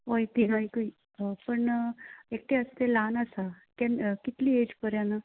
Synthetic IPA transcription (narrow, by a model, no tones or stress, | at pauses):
ɦojt̪inajikəi | pəɳek̚ʈeəst̪elanəsa | kɛnkit̪liːed͡ʑpəɾjãnə